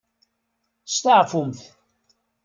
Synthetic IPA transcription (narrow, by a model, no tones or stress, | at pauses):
st̪əʕfumθ